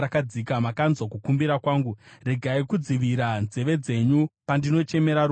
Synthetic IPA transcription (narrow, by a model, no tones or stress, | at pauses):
akad͡zikamakanzwakukumbiɾakwaːŋɡure̞ɡʱaikud͡ziʋiɾanze̞ʋe̞d͡ze̞ɲupandino̞t͡ʃe̞me̞ɾaɾu